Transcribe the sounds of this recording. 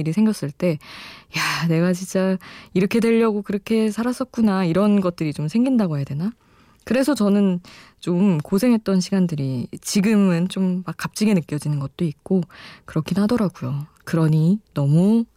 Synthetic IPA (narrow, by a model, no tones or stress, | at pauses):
iɾisʰe̞ŋɡjʌs͈ɯɭt͈e̞jane̞ɡat͡ɕint͡ɕ͈aiɾʌkʰe̞dwe̞ʎːʌɡokɯɾʌkʰe̞sʰaɾas͈ʌt̚k͈unaiɾʌnɡʌt̚t͈ɯɾit͡ɕomsʰe̞ŋɡindaɡoɦejadwe̞na | kɯɾe̞sʰʌt͡ɕʌnɯn | t͡ɕomkosʰe̞ŋɦe̞t̚t͈ʌnɕʰiɡandɯɾit͡ɕiɡɯmɯnt͡ɕomːak͈ːap̚t͡ɕ͈iɡe̞nɯk͈jʌd͡ʑinɯnɡʌt̚t͈oik̚k͈okɯɾʌkʰinɦadʌɾaɡujo | kɯɾʌɲinʌmu